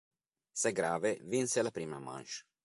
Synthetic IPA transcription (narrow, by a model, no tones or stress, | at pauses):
sɛɡɾaːvevinselapɾiːma̰ma̰nʃ